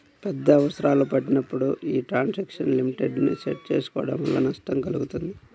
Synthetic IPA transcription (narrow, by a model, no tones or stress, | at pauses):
pɛd̪ːɐːʋɐsɐɾaːlopɐʈːinɐpːuɽuiːʈɾaːnsɐkʂɐnlimiʈeɖniseʈ̚t͡ʃeːsu̥kɔːɐɽɐ̰mʋɐ̰lːɐ̰nɐʂʈɐmkɐluɡut̪und̪i